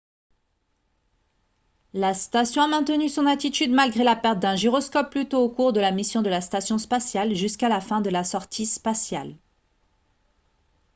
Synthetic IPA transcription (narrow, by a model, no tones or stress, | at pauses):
last̪asjɔ̃amɛ̃t̪ənysɔ̃nat̪it̪yd̪malɡʁelapɛʁt̪̚d̪ɛ̃ʒiʁɔskɔpːlyt̪oːkuʁd̪əlamisjɔ̃d̪əlast̪asjɔ̃spasjalʒyskalafɛ̃d̪əlasɔʁt̪ʰispasjal